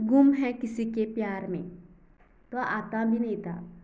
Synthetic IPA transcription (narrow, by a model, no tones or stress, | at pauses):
ɡumɦɛ̃kɪsikepjaːɾmḛ̃ː | t̪oaʔaːt̪abʱinɐɦĩt̪a̰ː